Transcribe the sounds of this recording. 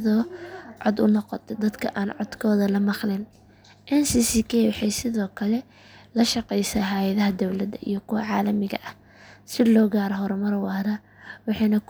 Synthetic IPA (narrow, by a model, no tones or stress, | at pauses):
ðɔːʕɔd̪ʊ̰nɔqɔ̰t̪ʰɛd̪ɐd̪kʰɐʔaːnʕɔd̪kʰɔːðɐlɐmɑqlɪn | ʔɛnsisikʰɛwɑħɑjsɪðɔːkʰɐlɛ | lɐʃɑqɛjsaːɦajɐðɐɦɐd̪ɔwlɐd̪ɐʔḭjɞkʰʊwɑʕɑːlɐmɪɣɐ̰ʔɐh | sɪlɔːɣaːɾɔɦɔɾmɐrwɑːɾɐ | wɑħɑjnɐk